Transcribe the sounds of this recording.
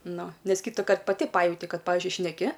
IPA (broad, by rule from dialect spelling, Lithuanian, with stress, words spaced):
ˈnʊ ˈnʲɛs ˈkʲiːtʊkɐrt pɐˈtʲɪ ˈpɑːjɛʊtʲɪ ˈkɐt ˈpɑːʋʲɪzʲd͡ʒʲʊɪ ʃʲnʲɛˈkʲɪ